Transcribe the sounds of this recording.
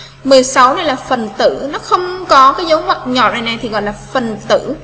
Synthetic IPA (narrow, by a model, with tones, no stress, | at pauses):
mɨ˨˩əjsa˨˦wna˧jlaː˨˩fə˨˩nt̪ɨ̰˧˩˥nɔ˨˦xə˧wŋ͡mkɔ˨˦kaː˨˦jzə˨˦whwaː˨˩t̚ɲɔ̰˧˨t̚za˨˩na˨˩jt̪ʰi˨˩ɣɔ̰˧˨jlaː˨˩fə˨˩nt̪ɨ̰˧˥